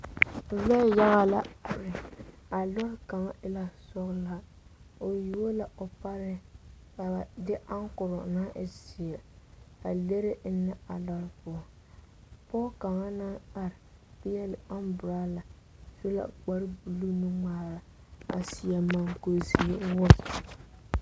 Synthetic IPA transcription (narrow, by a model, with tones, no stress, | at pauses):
vɛ˦ja˦ɣa˦la˦˨ɾɪ˨ | a˨lɔ˦ɾka˨ŋa˦ʔɪ˦la˦sʊ˦ɣla˦ | o˨ji˨wo˦la˨ʔo˨pa˦ɾɪ˦ | a˨ba˨dɪ˦ʔa˦ŋ˦kʊ˨ɾʊ˨na˦ʔɪ˦si˨ɛ˨a˨le˦ɾɪ˦nːɪ˦a˨lɔ˦ɾpʊ˨˦˨ | pɔ˦ka˨ŋa˦na˦na˨ɾɪ˨bɪ˦jɛ˦lɪ˨a˦mbʊ˨ɾa˦la˨ | so˦la̰˨ɡ͡ba˦ɾbu˨lu˦nu˦ŋaː˦ɾa˨ | a̰˨si˨a˨ma˦˨ŋko˦si˦e˦wʊ˦